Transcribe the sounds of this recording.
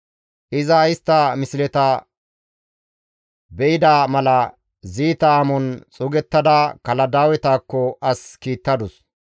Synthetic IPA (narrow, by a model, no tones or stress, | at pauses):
ʔɪzɐɪst̪ːɐmɪsɪlɛt̪ɐ | bɛɪd̪aːmɐlɐ | ziːt̪aːmɔnt͡sʼʊɡɛt̪ːɐd̪ɐkɐlɐd̪aːwɛt̪aːkːɔɐskiːt̪ːɐd̪ʊs